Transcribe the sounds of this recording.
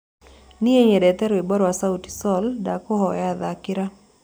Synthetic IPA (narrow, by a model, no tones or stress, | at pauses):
nɪeɲɛdɛt̪ɛɾoibɔɾwasauti̥sɔldakɔɦɔjaðakɪɾa